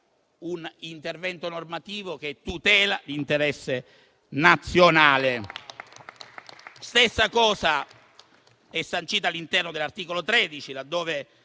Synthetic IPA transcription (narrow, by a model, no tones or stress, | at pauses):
unint̪ervɛnt̪onormat̪iːvok̟et̪ːut̪ɛːlalint̪eɾɛsːe | nat̪sːjonaːle | st̪esːakɔːza | ɛsːant͡ʃiːt̪alːint̪ɛrnod̪elːart̪iːkolot̪ɾeːd̪it͡ʃilad̪ːoːve